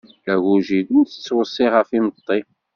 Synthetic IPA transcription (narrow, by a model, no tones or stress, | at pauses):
æʝuʒid̪ənθə̥t͡sːwəsˤːɪʁəfimət̪ˤːi